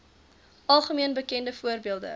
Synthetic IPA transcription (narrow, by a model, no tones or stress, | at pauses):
ʔɐlˠχəmiənbəkɛndəfuərbiəlˠdə̰